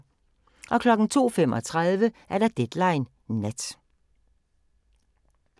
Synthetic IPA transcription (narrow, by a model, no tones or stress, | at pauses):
ʔɒ̽kʰlɒ̽ɡ̥n̩t͡sʰo̝̰ːfem̰ɒ̽t͡sʰʁað̞ˠʋəʔæɐɾɑ̈d̥ed̥lɑ̈ɪnː | ed̥